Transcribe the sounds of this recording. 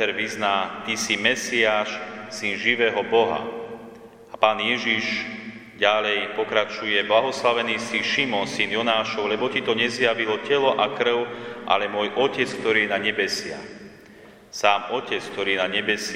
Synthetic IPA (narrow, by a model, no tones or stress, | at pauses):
ɛɾʋiznaːt̪isimɛsiaːʃsinʒiʋɛːɦɔbɔɦa̰ | apaːnjɛʒiʒ | ɟalɛjpɔkɾat͡ʃujɛblaɦɔslaʋɛniːsiʃimɔnsinjɔnaːʃɔʊlɛbɔcit̪ɔɲɛzjaʋilɔcɛlɔʔakɾ̩ʊʔa̰lɛmʊɔːjʔɔcɛt͡sk̚t̪ɔɾiːjɛnaɲɛbɛsɪa̰ | saːmɔcɛt͡sk̚t̪ɔɾiːɛnaɲɛbɛs